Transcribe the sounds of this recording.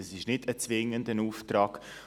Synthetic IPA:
ɛsɪʃnɪdət͡sʋɪŋəndənuːftɾɑːk

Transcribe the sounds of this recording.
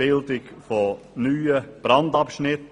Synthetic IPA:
ɪldɪkfo | nyːəb̥ɾɑndɑpʃnɪt

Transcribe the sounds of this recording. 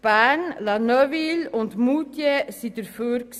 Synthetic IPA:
b̥ænlɑnœʋilɔnt̪muːt̪jesit̪əɾføːɾks

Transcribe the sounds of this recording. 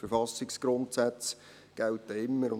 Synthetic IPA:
fəɾfɑsɪksɡ̥ɾʊntsæt͡s | ɡ̥æltːɛɪmːəɾʊ

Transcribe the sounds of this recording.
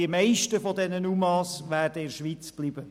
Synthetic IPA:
iəmɛɪʃtəfɔdɛnənumɑːsʋæːɾdəɪɾʃʋit͡sb̥libə

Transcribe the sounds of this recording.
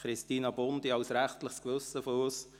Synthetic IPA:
χɾɪst̪iːnɑbʊnd̥̪iɑwsɾæχtləχskʋɵsːəfɔɾos

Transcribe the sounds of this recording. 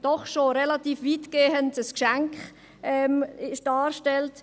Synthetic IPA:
d̥ɔχʃoɾɛlatiːfʋitɡ̥eːəntəskʃæŋkχ | ɛmɪʃd̥ɑːɾʃtɛlt

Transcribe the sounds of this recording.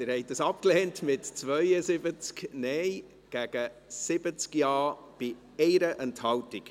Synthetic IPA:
ɪɾhɛɪt̚dəsɑpklɛːntmɪtt͡svœʏəsɪbət͡sknɛɪ | ɡ̥æɡ̥əsɪbət͡skjɑː | b̥ɪ | ɛɪɾəʔənthɑwtɪk

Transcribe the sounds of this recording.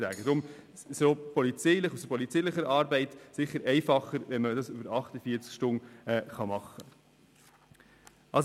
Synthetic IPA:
ɾæ̰ːɡ̥əd̥̪ɾʊm | sopɔlit͡siɪlɪχusəpɔlit͡siːlɪχəɾɑːɾbɛɪtsɪχːəɾɛɪfɑχəɾʋɛnməd̪ɑsʉbəɾɑχtəfiːɾt͡skʃtʊnɛχɑmɑχːə | ʔɑls

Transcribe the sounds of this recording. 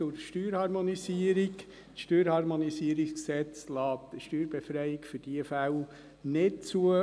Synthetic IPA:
ʊɾʃtyːɾhɑɾmonisiəɾik | ʃtøːɾhɑɾmonisiəɾiksksɛt͡slɑːtəʃtyːɾbefɾɛjɪkfʏɾd̥iəfæw | nɪt̚t͡suə

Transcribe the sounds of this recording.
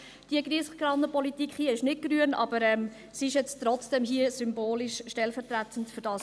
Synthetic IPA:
d̥iəɡriəsɡ̥ɾɑnəpɔlitikχhiəɪʃnɪt̚ɡ̥ɾyənʔɑ̰b̥əɾɛm | siɪʃjɛt͡stɾɔt͡sd̥ɛmɦiəsymboːliʃʃtɛlfɛɾtrætʰəntføɾdɑːs

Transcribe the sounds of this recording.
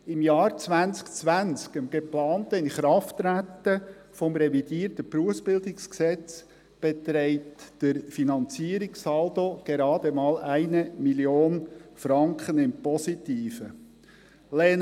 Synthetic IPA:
ɪmjɑːɾt͡sʋænt͡skt͡sʋænt͡skəmɡ̥eplɑːnt̪əɪnχɾɑftɾætːə | fɔmɾɛvidiːəɾtəpɾuəfsb̥ɪldɪksksɛt͡s | b̥et̪ɾɛɪtd̥əɾfinɑnt͡siəɾiksɑld̪oɡ̥eɾɑːd̪əmɑːlʔæɪnəmiljoːnfɾɑŋkχənɪmpɔsit̪iːfə | lɛn

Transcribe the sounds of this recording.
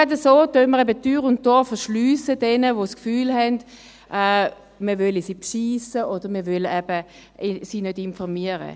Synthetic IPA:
adəsoːdøməʁɛbədyːʁʊnt̚ːɔfəʃlyːsədɛnəʋoskfyːlɦɛnd̥ | ʔɛː | məvœlisipʃiːsəʔod̥əʁməʋølɛb̥ə | siːnødɪnfɔʁmiəʁə̰

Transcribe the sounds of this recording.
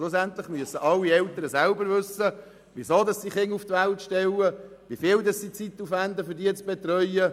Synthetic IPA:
lʊsænt̪lɪχmyəsəʔɑlːiɛlt̪əɾəsælbəɾvɵsə | ʋisoːd̪ɑssiχɪŋuft̪ʋæltʃtɛlə | ʋifiːldɑssit͡sit̪ːufænd̪əfʏɾdiət͡sb̥ɛt̪ɾœʏə

